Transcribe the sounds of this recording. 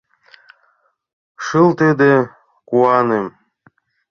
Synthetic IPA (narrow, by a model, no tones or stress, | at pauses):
ʃɨlt̪əd̪e | kuɑnem